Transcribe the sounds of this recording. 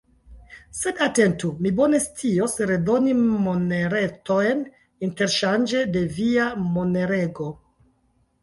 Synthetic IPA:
se̞date̞ntumibo̞nest͡sio̞sɾe̞do̞nimo̞neɾe̞to̞jn | inte̞ɾʃand͡ʒe̞de̞viamo̞neɾe̞ɡo̞

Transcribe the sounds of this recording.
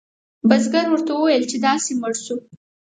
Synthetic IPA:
bazɡaɾwəɾt̪awəwajəlt͡ʃed̪ɑseməɽʃu

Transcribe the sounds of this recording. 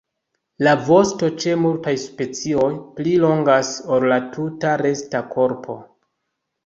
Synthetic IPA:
lavo̞sto̞t͡ʃe̞multajspe̞t͡sio̞jplilo̞ŋɡasollatʰutaɾe̞stakʰo̞ɾpʰo̞

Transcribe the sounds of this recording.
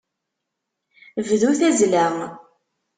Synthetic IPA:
vðuθæzlæm

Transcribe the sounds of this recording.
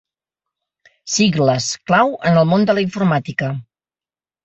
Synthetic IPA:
siɣləsklawənəlˠmond̪ələiɱfurmat̪ikə

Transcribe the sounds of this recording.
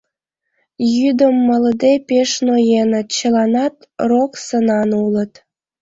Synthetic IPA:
jyd̪əmːələd̪epeʃnojenə̆t̪̚t͡ɕəlɑnɑt̪roksənɑnulə̆t̪

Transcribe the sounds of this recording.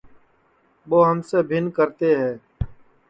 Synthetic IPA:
ʋoːɦəmsebʱɪnkəɾt̪eɦɛ̃ː

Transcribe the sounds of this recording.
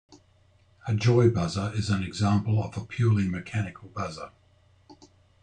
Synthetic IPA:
əd͡ʒɔɪbʌzə˞ɪzə̃nɪɡzɑ̃ˑmpəlˠəv̥əpʰj̥ɔːlˠimɨkʰænɪkʰəlˠbʌzə

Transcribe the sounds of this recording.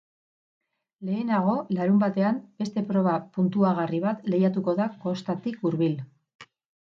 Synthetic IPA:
le̞ːnaɣ̞o̞laɾumbat̪e̞ambe̞st̪e̞pɾo̞β̞apunt̪uaɣ̞ariβ̞at̪le̞jat̪uko̞ðako̞st̪at̪ikuɾβil

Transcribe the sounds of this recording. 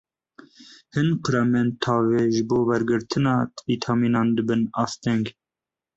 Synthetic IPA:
hɨnqʰʊɾɑmeːnt̪ʰɑːveːʒɨboːwɛɾɡɨɾt̪ʰɨnɑːt̪viːt̪ʰɑːmiːnɑːnd̪ɨbɨnɑːst̪ɛŋɡ

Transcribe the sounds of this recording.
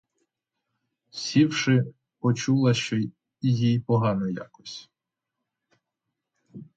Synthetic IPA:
sʲiwʃɪ | pɔt͡ʃulˠɐʃt͡ʃɔ | jijpɔɦɑnɔja̰kɔsʲ

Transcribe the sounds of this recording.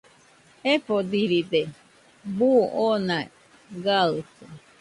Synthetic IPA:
epod̪iɾid̪e | buonã | ɡaɯtɨ

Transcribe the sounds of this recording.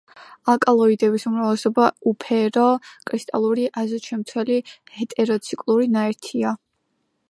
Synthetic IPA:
akʼalˠɔid̪ɛbisumɾavlɛsɔbaupʰɛɾɔkʼɾist̪ʼa̰lˠuɾiʔazɔt͡ʃʰɛmt̪ʰwɛlihɛt̪ʼɛɾɔt̪sʰikʼlˠuɾinaɛɾt̪ʰia

